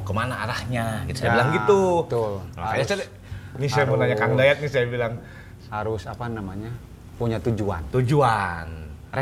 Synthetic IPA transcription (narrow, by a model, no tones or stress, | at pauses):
kəmanaːɾahɲaɡit̪usajailaŋɡit̪ulsajasa | nisajammənaɲakaŋdajat̪̚ɲisajabilaŋ | haɾʊsapanamaɲa | puɲat̪ud͡ʒua̰nt̪ud͡ʒuan